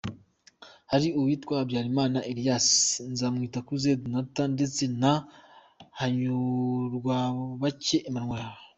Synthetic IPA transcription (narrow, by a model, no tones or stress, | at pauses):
haɾiuwiːtkwabjaːɾimaːnaʔeɾijasnzaːmŋiːtakuzednatande̞t͡sena | haɲuɾɡwaβace̞ʔːmaŋwaaho